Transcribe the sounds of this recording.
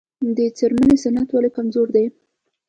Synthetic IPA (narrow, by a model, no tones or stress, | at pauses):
d̪ət͡seɾmənesanat̪walikamzoɾd̪aj